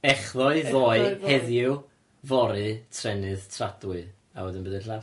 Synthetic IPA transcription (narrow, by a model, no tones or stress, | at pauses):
ɛχðɔɨðɔɨhɛðjɪw | vɔɾɨtʰrɛnɨðtʰradwɨ | a̰wədɪnbəðɪnɬav